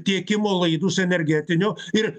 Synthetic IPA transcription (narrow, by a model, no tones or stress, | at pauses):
t̪ʲiɛkʲɪmoːlˠɐɪd̪usɛnʲɛɾʲɡʲæːt̪ʲɪnʲʊːɪɾ